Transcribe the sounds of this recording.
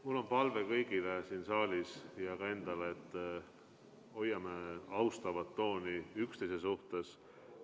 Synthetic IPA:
mulːo̞npɑlve̞kɤjɡilesiːnsɑːlʲisjɑkɑe̞nd̪̥ɑleet̪ː | o̞jːɑmeɑwst̪ɑvɑt̪ːo̞ːniykst̪ejsesuht̪e̞s

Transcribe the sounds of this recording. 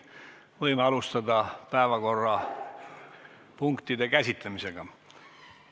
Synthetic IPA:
vɤjmeɑlust̪ɑd̪ɑpæevɑko̞rːɑ | puŋkt̪id̪e̞kæsʲit̪ˑlemise̞ɡ̥ɑ

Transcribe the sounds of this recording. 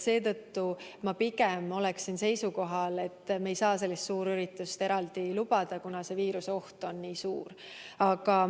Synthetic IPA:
se̞ːt̪ɤt̪ːumɑpiɡemo̞leksinse̞jsuko̞ɦɑle̞t̪ːme̞jsɑːs̬e̞lːist̪suːɾyɾit̪ːˑust̪e̞ɾɑld̪ilubɑd̪̥ɑkunɑse̞viːɾuseo̞ht̪o̞nːiːsuːɾ | ɑɡ̥ɑ

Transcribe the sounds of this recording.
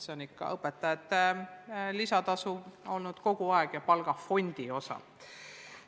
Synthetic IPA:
seonikːɑ̰ɤpːˑet̪ːˑɑjɑt̪ːˑ | lisɑt̪ɑsuo̞lnud̪̥ko̞ɡ̥uɑeɡ̥jɑpɑlɡ̥ɑfo̞nʲd̪̥io̞sɑ̰

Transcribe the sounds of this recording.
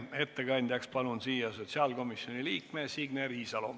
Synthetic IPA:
e̞t̪ːekɑnʲd̪̥ʲjɑkspɑlunsiːjɑso̞t̪ʲsiɑːlɡo̞misjo̞nʲiliːkkmesiɡneɾiːsɑlo

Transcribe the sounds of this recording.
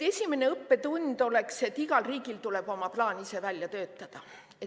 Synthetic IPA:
esʲime̞ne̞ɤpːe̞t̪unʲd̪̥o̞le̞kse̞t̪ːˑiɡ̥ɑlriːɡ̥ilt̪ule̞b̥o̞mɑplɑːnise̞vælʲjɑt̪øːt̪ːˑɑd̪̥ɑ | e

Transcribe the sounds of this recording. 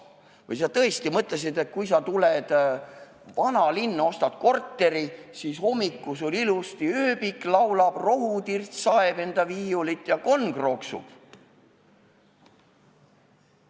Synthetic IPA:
vɤjs̬ɑt̪ɤ̞est̪imɤt̪ˑles̬id̪e̞t̪̚kujs̬ɑt̪uled̪̥ | vɑnɑlinːɑo̞st̪ɑt̪̚ko̞rt̪ːe̞ɾisiːso̞mikːusolʲilust̪iøːbiklɑwlɑb̥ro̞ɦut̪irt̪sɑebe̞nd̪̥ɑviːulit̪jɑko̞nɡ̥ro̞ksṵb̥

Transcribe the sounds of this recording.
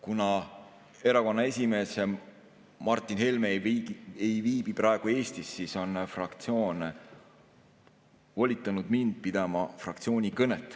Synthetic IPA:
kunɑ | e̞ɾɑko̞nːɑe̞sʲime̞ːs | mɑrt̪ˑːinhelmeejviːb̥iprɑe̞ɡ̥ue̞ːst̪isːiso̞nfrɑkt̪sio̞ːn | volʲit̪ːˑɑnud̪mind̪̥̚pid̪̥ɑmɑfrɑk̚t̪sio̞ːnʲikɤnet̪ːˑ

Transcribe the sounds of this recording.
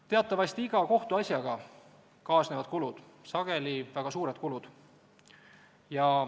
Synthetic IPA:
t̪e̞ɑt̪ːˑɑvɑst̪iiɡ̥ɑko̞ht̪uɑsʲjɑɡ̥ɑ | kɑːsne̞vɑd̪̥̚kulud̪̥ | sɑɡ̥e̞livæɡ̥ɑsuːɾed̪̥̚kulud̪̥ | jɑ

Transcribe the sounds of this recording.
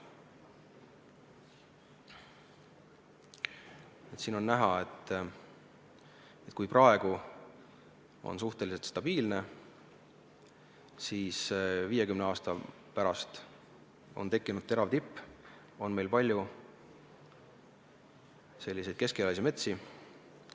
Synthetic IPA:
et̪siːno̞nːæɦɑe̞t̪ːˑ | e̞t̪̚kujprɑe̞ɡ̥u | o̞̰nsuht̪e̞lise̞lt̪st̪ɑb̥iːlne̞ | siːsviːje̞kymneɑːst̪ɑ | pæɾɑst̪ | o̞̰nt̪e̞kːinud̥̪̚t̪e̞ɾɑvt̪ipː | o̞nme̞jlpɑlʲju | se̞lːised̪̥̚ke̞skelɑjs̬ʲime̞t̪si

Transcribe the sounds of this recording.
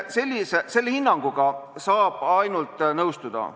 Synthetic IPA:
se̞lʲːisese̞lːehinːɑŋɡ̥uɡ̥ɑsɑːb̥ɑjnult̪ˑnɤwst̪ud̪̥ɑ̰

